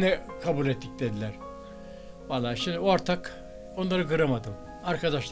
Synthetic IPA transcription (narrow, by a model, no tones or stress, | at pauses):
nɛkʰabulʲɛt̪ʰːic̚d̪ed̪ilʲæɾ̥ | valˠːaːʃimd̪iooɾt̪ʰak | o̞nˠaɾɯɡɯɾamad̪ɯm | aɾkad̪aʃlˠ